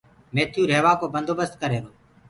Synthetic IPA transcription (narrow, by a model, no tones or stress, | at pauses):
meːt̪ʰjũːɾeːʋaːkoːbənd̪ʱoːbəst̪̚kəɾeːɾoː